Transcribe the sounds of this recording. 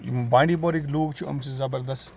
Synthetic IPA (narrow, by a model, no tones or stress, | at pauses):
bãːɳɖiːpɔɾikloːɡt͡ʃʰiɐ̰mt͡ʃizɐbɐɾd̪ɐst̪